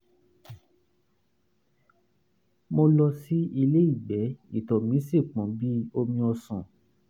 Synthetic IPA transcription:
mo˧lɔ˧si˦i˧le˦i˦˨ɡ͡bɛ˨˦ḭ˨tɔ˨mĩ˨˦se˦˨k͡pɔ̃˨˦bi˦o˧mĩ˧ɔ˧sɔ̰̃˨

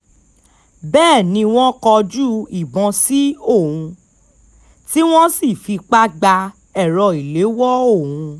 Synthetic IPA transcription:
bɛː˦˨nĩ˧w̃ɔ̃˦kɔ˧d͡ʒu˦i˨bɔ̃˧si˦o˦˨wũ˧ | ti˦w̃ɔ̃˦si˦˨fi˧k͡pa˦ɡ͡ba˧ | ɛ˦˨ɾɔ˨i˨le˨˦wɔ˦o˦˨wũũ˧

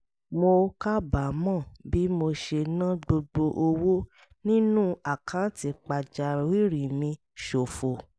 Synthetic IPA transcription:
mo˧ka˦ba˨˦mɔ̃˦˨bi˨˦mo˧ʃe˧nã˦ɡ͡bo˧ɡ͡bo˧ʔo˧wo˦ | nĩ˦nũ˦a˨kʰã˨˦ti˧k͡pa˨d͡ʒa˨˧ɾwi˦˨ɾi˨mĩ˧ | ʃo˨fo˨

